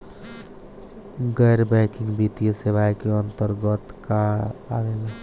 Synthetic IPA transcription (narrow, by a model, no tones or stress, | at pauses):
ɡəjɾbɛkɪ̃ŋɡbit̪ijəseʋajkeənt̪əɾɡət̪kaaʋela